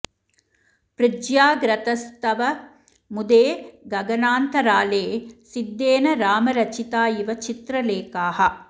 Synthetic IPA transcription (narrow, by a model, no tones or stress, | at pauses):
pɾɪd͡ʒjaːɡɾɐt̪ɐst̪ɐʋɐ | mud̪eːɡɐɡɐnaːnt̪ɐɾaːleːsid̪ːeːnɐɾaːmɐɾɐt͡ʃit̪aːjiʋɐt͡ʃit̪ɾɐleːkaːɦɐ̆